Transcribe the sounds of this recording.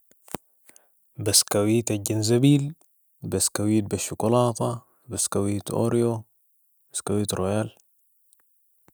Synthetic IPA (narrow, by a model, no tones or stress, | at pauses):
bɐskawit̪aɟɐnzɐbiːl | bɐskawiːt̪̚bɐʃːukolaːt̪a | bɐskawiːt̪o̰ɾijo | bɐ̥skawit̪ɾʔojal